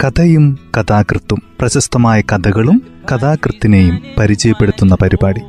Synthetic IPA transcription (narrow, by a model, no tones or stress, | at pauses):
kɐd̪ʱɐjumkɐd̪aːkrɨt̪ːumprɐɕɐst̪ɐmaːjɐkɐd̪ʱɐɣɐɭumkɐd̪aːkrɨt̪ːinejumpɐɾid͡ʑɐjɐpːeɽut̪ːunːɐpɐɾibaːɽi